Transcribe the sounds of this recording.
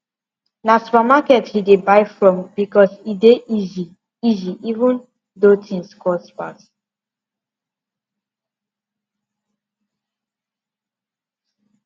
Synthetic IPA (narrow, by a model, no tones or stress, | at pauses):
nasu̥pamakɛthidebaɪfɹɔ̃mbikɔsideizi | iziʔivũn | dotʰĩnskɔspat